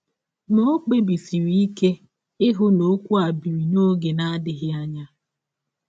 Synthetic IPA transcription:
no˦k͡pe˦bi˨si˨ɾi˦i˦ke˦ | ɪ˦ɦʊ˦no˦kʷu˦a˨bi˨ɾi˨no˦ɡe˨na˦a˦dɪ˨ɦɪ˦a˦ɲa˦

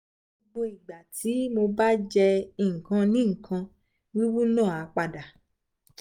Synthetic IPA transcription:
ɡ͡bo˧i˨ɡ͡ba˨tʰi˨˦mo˧ba˦d͡ʒɛ˧i˧˨ŋ̩˨kã˧nĩ˦ŋ̩˨kʰã˧ | wi˦wu˦nãː˦˨a˨˦k͡pa˧da˨

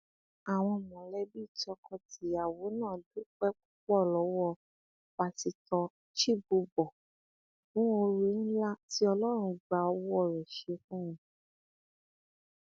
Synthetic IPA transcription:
a˨w̃ɔ̃˧mɔ̃˨lɛ˦bi˦˨tɔ˧˦kʰɔ˧tʰi˨˦a˨wo˨˦nãː˦˨du˦k͡pɛ˦k͡pu˦k͡pɔ˦˨lɔ˨˦wɔ˦˨ | k͡pa˨˧ti˨tɔ˧ | ʃi˦˨bu˧bɔ˨ | kũ˨˦o˧ɾe˧n̩˦la˦ti˦ɔ˧lɔ˦ɾ̃ũ˧ɡ͡ba˧ɔ˧˦wɔ˦˨ɾɛ˨ʃe˧fũ˦ũ˨

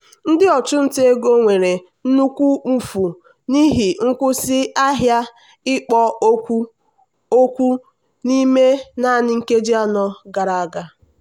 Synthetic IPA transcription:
n̩˦dɪ˦ɔ˨t͡ʃʊ˦n̩˦te˦ɡo˦ŋʷe˨ɾe˨ | n̩˦nu˦kʷu˦m̩˨fu˨ | ni˦ɦi˨ŋ̩˦kʷʊ˦sɪ˦a˦ɦja˦ | ɪ˦k͡pɔ˦o˦kʷu˦ | o˦kʷu˦ | ni˦me˦na˦˨nɪ˨ŋ̩˦ke˦d͡ʒi˦a˦nɔ˦ɡa˨ɾa˨a˨ɡa˦

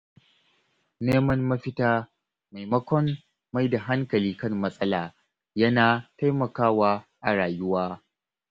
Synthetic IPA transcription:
neː˦mɐ˦nːɐ˦ɸɪ˦taː˦ | ma˨jmɐ˦kʷɔ˦mː | a˦jda˨ɦa˦ŋkɐ˨liː˦kɐ˦˨mːɐ˦sʼɐ˦laː˨ | jɐ˦naː˨ta˦jmɐ˨kaː˦waː˦ʔa˨ɽaː˨jʊ˦waː˦

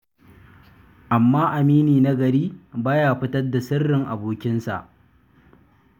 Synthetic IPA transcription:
ʔa˨mːaː˦ʔa˨miː˦niː˨na˦ɡɐ˨ɾiː˦baː˦jaː˨ɸɪ˦tɐ˦rda˨sɪ˦rːɪ˨ŋʔa̰˨boː˨kʲɪ˦nsa̰˨ʔ

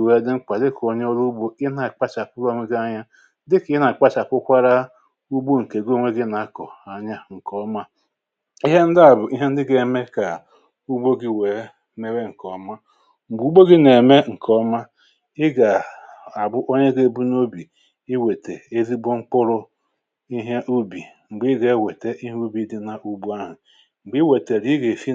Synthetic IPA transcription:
we˨˦dɪ˦ŋ͡m̩˦k͡pa˨dɪ˦ko˨ɲe˦o˦ɾu˦bo˦ɪ˦na˨k͡pa˦t͡ʃa˨pʊ˦lo˦mi˦ɡa˦ɲa˦ | dɪ˦kɪ˦na˨k͡pa˦t͡ʃa˨pʊ˦kʷa˦ɾa˦ | u˦ɡ͡bo˦ŋ̩˨ke˨ɡŋʷe˦ɡɪ˦na˨˦kɔ˨a˨ɲa˦ŋ̩˨kɔ˦ma˦ | i˦ɦe˦n̩˦dɪ˦a˨bʊ˨ʔi˦ɦe˦n̩˦dɪ˦ɡe˨me˦ka˨ | u˦ɡ͡bo˦ɡi˦we˨ | me˦ɾe˦ŋ̩˨kɔ˨˦ma˦ | ŋ͡m̩˨ɡ͡bu˨˦ɡ͡bo˦ɡɪ˦ne˨me˦ŋ̩˨kʰɔ˦ma˦ | ɪ˦ɡa˨a˨bʊ˦ʔo˦ɲe˦ɡe˦˨bu˦no˦bi˨ | ɪ˦we˨te˨e˦zi˦bo˦ŋ͡m̩˦k͡pʊ˦ɾʊ˦ | i˦ɦe˦ʔu˦bi˨ | ŋ͡m̩˨ɡ͡bi˦ɡe˨˦˨we˨te˦ʔi˦ɦu˦bi˦dɪ˦na˨ʔu˦bu˦a˦ɦʊ˨ | ŋ͡m̩˨ɡ͡bi˦we˨te˨ɾi˦ɡe˨fi˦

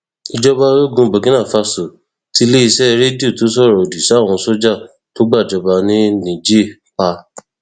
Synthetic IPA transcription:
i˧d͡ʒɔ˦ba˧˦ɾo˦˨ɡũ˧bo˨ɡĩ˦nã˦˨fa˧so˨ | ti˦le˦i˧sɛ˦˧ɾe˦di˦o˦˨to˨˦s̬ɔ˦˨ɾɔ˨o˨di˨sa˦˨w̃ɔ̃˧˦so˦d͡ʒa˦˨ | to˦ɡ͡ba˦˨d͡ʒɔ˧ba˧nĩ˦nĩ˨d͡ʒe˦˨ | k͡pa˧

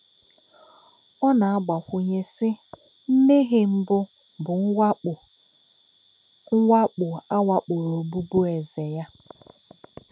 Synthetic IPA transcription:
ɔ˦na˨a˦ɡ͡ba˨xʷʊ˨ɲe˦sɪ˦ | m̩˦me˦ɦe˦m̩˦bʊ˦ | bʊ˨ŋ̩˦˨ | ŋ̩˦wʷa˦k͡pʊ˨a˦wʷa˦k͡pʊ˨ɾo˨bu˦bu˦e˨ze˨ja˦

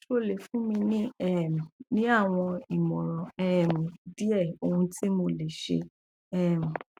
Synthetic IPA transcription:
ʃo˦le˨fũ˨˦mĩ˧nĩ˦ɛ˦˨m̃˨nĩ˦a˦˨w̃ɔ̃˧i˨mɔ̃˨ɾɔ̃˨ɛ˦˨mĩ˨di˦ɛ˦˨o˧ũ˧tʰi˦mo˧le˨ʃḛ˧ | ɛ˦˨mĩ˨

